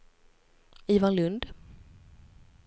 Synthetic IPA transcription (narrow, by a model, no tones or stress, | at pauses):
iːvanlɵnd̪